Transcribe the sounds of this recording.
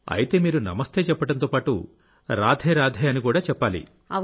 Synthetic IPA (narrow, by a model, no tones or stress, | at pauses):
ɐ̰jit̪e̞ːmiːɾunɐ̰mɐst̪ʰe̞ːt͡ʃɛpːɐʈɐnt̪oːpaːʈṵ | ɾaːd̪ʱɛːɾaːd̪ʱɛːɐnikuːɽaːt͡ʃɛpːaːlḭ